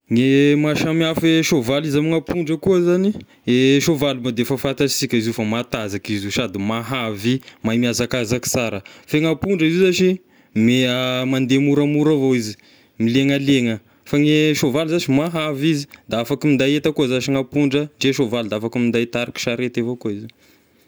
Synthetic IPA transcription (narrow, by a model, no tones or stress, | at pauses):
ŋemaʃamiafeʃovalizamiŋapuɳɖ͡ʐəkuəzani | eʃovalumad̪efafat̪asikʲaiziufamat̪azakiziʃad̪imaɦavimajmiazakazaki̥t͡saɾəfeŋapuɳɖ͡ʐəizizat͡ʃi | meəmand̪emuɾamuɾavoizi̥ | mileŋəleŋə | faŋeʃovalzat͡ʃimaɦavizi̥d̪aafakimind̪ajet̪əkuəzaʃiŋapuɳɖ͡ʐəɳɖ͡ʐeʃovalud̪aafakimind̪ajt̪aɾiki̥ʃaɾet̪evokuiza